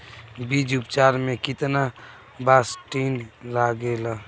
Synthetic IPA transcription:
bid͡ʒupt͡ʃaːɾmẽkɪt̪na | basʈinlaɡela

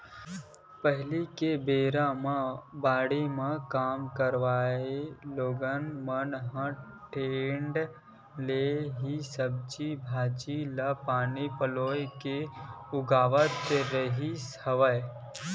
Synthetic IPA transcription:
pəɦɪlikebeːɾamãbaːɽimãkaːmkəɾʋaːeloːɡənmənɦə̃ | ʈeːɳɖ | leɦisəb̚t͡ʃibʱaːd͡ʒiləpaːnipəloːjke | ʊɡaːʋət̪ɾəɦis | əʋə

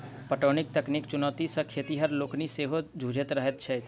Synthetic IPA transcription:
pəʈoːnɪk̚t̪ɐknikt͡ʃʊnəːt̪isə̃kʰeːt̪iɦəɾloːkniseːɦod͡ʒʱuːd͡ʒʱət̪ɾəɦət̪t͡ʃʰɛ

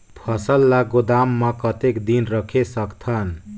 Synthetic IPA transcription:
pʰʌsəlːaɡod̪amːakʌt̪ekd̪inɾʌkʰesʌkt̪ʰʌn

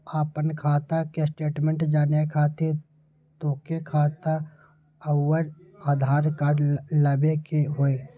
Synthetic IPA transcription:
aːpənkʰaːt̪akesʈeːʈmẽɳʈd͡ʒaːnekʰaːt̪e | t̪oːkekʰaːt̪a | əwəɾaːd̪ʱaːɾkaːɖləbekeɦoːe

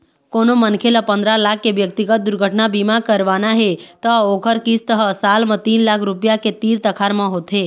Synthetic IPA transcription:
konomənkʰelapənd̪ɾalakʰːeʋjək̚t̪iɡət̪̚d̪ʊɾɡʱəʈnabimãkəɾʋanaɦet̪əokʰəɾkist̪əɦəsalmə̃t̪inlakʰɾupjaket̪iɾt̪əkʰaɾmãɦot̪ʰɦe

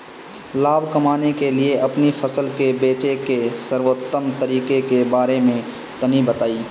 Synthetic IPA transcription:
laːbʱkɐmaːnekelieʔɐpnifʰɐsəlkebeːt͡ʃekesəɾwot̪ːəmt̪əɾiːkekebaːɾemẽ | t̪ənibɐt̪aːiː

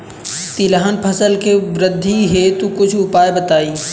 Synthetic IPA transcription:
t̪ɪlaɦənpʰəsəlkeʋɾɪd̪ʱːiɦet̪ukʊt͡ʃʰʊpaːjbət̪aːiː

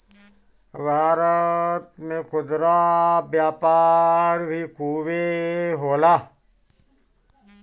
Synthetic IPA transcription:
bʱaːɾət̪mẽkʰʊd̪ɾabjaːpaːɾbʱikʰuːʋeɦoːlaː

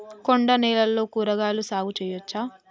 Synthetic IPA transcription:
koɳɖɐnɛːlɐlːo̞ːkuːɾɐɡaːlusaːɡut͡ʃɛːjot͡ʃːaː

